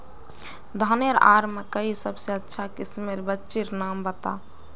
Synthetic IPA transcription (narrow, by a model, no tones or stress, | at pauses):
d̪ʱəneɾa̰ɾmekəisəbseətːʃʰakismeɾbətːʃiɾnambət̪a̰